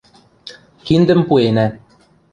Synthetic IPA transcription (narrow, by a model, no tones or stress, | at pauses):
kind̪ɘ̆mpuenæ